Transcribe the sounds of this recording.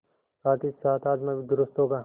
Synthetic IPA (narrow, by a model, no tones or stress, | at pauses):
saːt̪isaːt̪aːd͡ʒ̪mãbʱid̪ʊɾʊst̪ɦoːɡaː